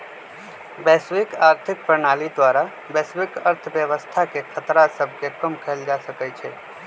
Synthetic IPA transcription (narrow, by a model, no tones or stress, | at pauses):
bɛːsʋɪkaːɾt̪ʰɪk̚pɾəɳ̃aːlid̪ʋaːɾa | bɛːsʋɪkəɾt̪ʰʋjəʋəst̪ʰakekʰət̪ɾasəb̚ʱkekəmkʰeld͡ʒasəkət͡ʃʰe